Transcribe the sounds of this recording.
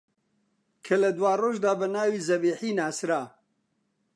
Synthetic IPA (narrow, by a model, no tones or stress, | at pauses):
kʰɐlɐd̪waːroːʒd̪aːbɐnaːwiːzɐbiːħiːnaːsɾaː